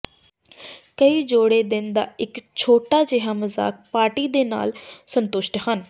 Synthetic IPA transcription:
kəiːd͡ʒoːɽeːd̪ɪnd̪a̰ːɪkt͡ʃʰoːʈaːd͡ʒɪɦaːməza̰ːk̚paːɾʈiːd̪eːna̰ːlsənt̪ʊʃʈhən

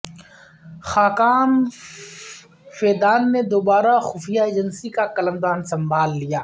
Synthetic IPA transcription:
xaːkaːm | feːd̪aːnːed̪oːbaːɾaxʊfʰijaeːd͡ʒənsikakɐləmd̪aːnsɐ̃mbʱaːlːijaː

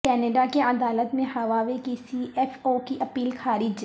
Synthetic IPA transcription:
kɛːneɖakeʔɐd̪aːlət̪mẽɦɐʋaːʋekisiɛfoːkiʔɐpiːlxʰaːɾɪd͡ʒ

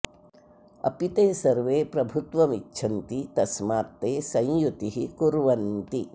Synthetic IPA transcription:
ɐ̰pit̪eːsɐɾʋeːpɾɐbʱut̪ʋɐmit͡ʃːt͡ʃʰɐnt̪it̪ɐsmaːt̪ːeːsɐ̃jjut̪iɦikuɾʋɐnt̪i

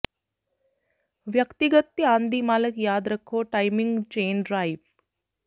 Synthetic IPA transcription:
ʋjɐkt̪iɡət̪jəãːnd̪imaːləkjaːd̪ɾɐkʰːoːʈaːjmiŋɡt͡ʃeːnɖɾaːiʋ

